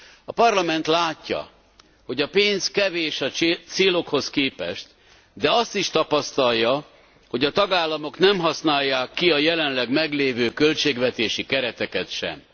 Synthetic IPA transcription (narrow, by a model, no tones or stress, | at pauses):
ɒpɒrlɒmɛnt̪laːcːɒ̰ | ho̞ɟɒpeːnskɛveːʃɒt̪seːlo̞kho̞skeːpɛ̰ʃt̪ | d̪ɛɒst̪iʃt̪ɒpɒst̪ɒlːɒ | ho̞ɟɒt̪ɒɡaːlːɒmo̞knɛmɦɒsnaːjːaːkːiɒjɛlɛnlɛɡmɛɡleːvøːkø̞lt͡ʃeːɡvɛt̪eːʃikɛɾɛt̪ɛkɛt̪ʃɛ̰m